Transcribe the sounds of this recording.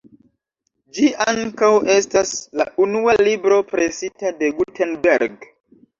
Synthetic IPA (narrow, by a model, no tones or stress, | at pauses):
d͡ʒiʔaŋkawe̞stasla̰unualibɾo̞pɾesitade̞ɡutʰenbeɾɡ